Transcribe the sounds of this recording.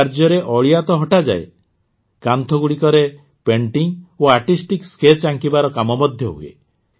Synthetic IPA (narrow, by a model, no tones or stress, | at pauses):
aɾd͡ʒɔɾeʔɔɭiat̪ɔɦɔʈad͡ʒa̰e | kant̪ʰɔɡuɽikɔɾe | peɳʈiŋoaʈisʈiksket͡ʃaŋkibaɾɔkamɔmɔd̪ʱjɔɦuḛ